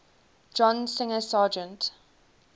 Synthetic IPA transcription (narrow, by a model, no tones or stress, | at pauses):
d͡ʒɔ̃nsɪ̃ŋəsɑːd͡ʒə̃nt